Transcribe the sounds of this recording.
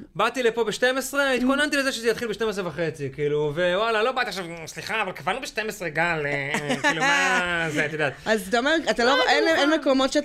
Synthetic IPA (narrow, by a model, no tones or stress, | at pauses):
bat̪ilepo̞beʃtemesʁeit̪̚konant̪ilezeʃezejat̪χilbeʃte̞mes̬ʁevaχe̞t͡sikiːluvewalalo̞bat̪iaʃavsliχaːvalkevanubeʃtemesʁeɡalkilumaazet̪id̪at̪azt̪aomeʁat̪aloʔenenmekomo̞tʃet